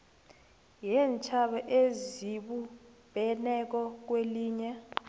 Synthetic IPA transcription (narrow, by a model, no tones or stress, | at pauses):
jɛnt͡ʃʰaɓaʔeziɓu | b̥ʱɛnɛk̬ɔk̬weliːɲɛ